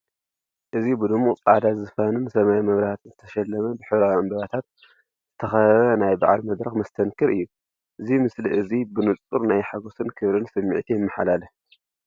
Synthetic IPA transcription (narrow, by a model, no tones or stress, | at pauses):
ʔɨzibɨd̪ɨmːutʼa̰d̪azɨfanɨnsɐmajamɐβɾaht̪ʰɨnzɨt̪ʰɐʃɐlːɐmɐbɨħɨβɾawɐmbɐβat̪ʰat̪̚ | z̥ɨt̪ʰɐxɐɐβɐnajba̰ʕa̰lmɐd̪ɾɐxmɐst̪ʰɐnkʰɨɾɨjːu | ʔɨzimɨsliʔɨzibɨnɨt͡sʼuɾnajħaɡo̞sɨnkʰɨβɾɨnsɐmːḭʕt̪ʰijɪmːaħalalɐ